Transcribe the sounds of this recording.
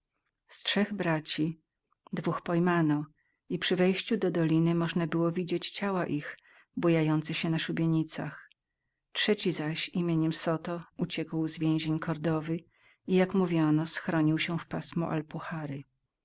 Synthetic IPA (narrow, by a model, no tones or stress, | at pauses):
stʂɛɣbɾat͡ɕi | d̪vuxpɔjmanɔ | ipʂɘvɛjɕt͡ɕud̪ɔd̪ɔlʲinɘmɔʐnabɘwɔvʲid͡ʑet͡ɕt͡ɕawaʔix | bujajɔnt̪sɛɕɛnaʂubʲeɲit̪sa̰x | tʂɛt͡ɕizaɕimʲjeɲɛmsɔt̪ɔut͡ɕɛkwzvʲjẽʑeɲkʰɔɾd̪ɔvɘ | ijakmuvʲjɔnɔsxɾɔɲiwɕɛfpasmɔ̰ʔa̰lpuxaɾɘ